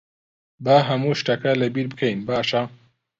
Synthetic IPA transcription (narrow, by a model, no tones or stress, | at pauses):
baɦɐmuʃʈakalɐbiɾbɨkʰɐjnbaːʃa